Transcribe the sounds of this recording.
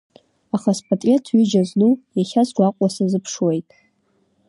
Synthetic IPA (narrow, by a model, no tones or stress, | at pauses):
aχaspʰʼatʼetʰɥid͡ʒaznujaχʲasd͡ʒʷaqʷʼasazɨpʰʂwejtʼ